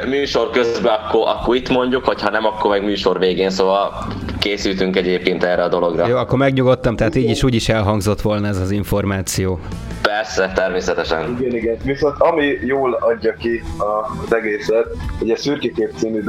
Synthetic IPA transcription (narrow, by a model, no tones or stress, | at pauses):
myːʃo̞rkøzbɛɒkːoʔɒkːoɾit̪mo̞ɲɟukhochɒnɛmɒkːormɛɡmyːʃo̞rveːɡeːnsoːvɒl | keːsyːt̪yŋkɛɟeːp̚keːnt̪ɛrɛɒd̪o̞lo̞ɡrɒjoːɒkkːo̞rmɛɡɲuɡo̞t̪ːɒmt̪ɛɦaːt̪iːɟiʃuːɟiʃɛlɦɒŋɡzo̞t̪ʋo̞lnɒɛzɒziɱfo̞rmaːt̪sijoː | pɛrsɛt̪ɛrmeːsɛt̪ɛʃɛniɡɛniɡɛnviso̞nt̪ɒmijoːlɒɟːɒkiɒzɛɡeːsɛt̪̚hoɟɛsyrkikeːpt̪siːnyd̪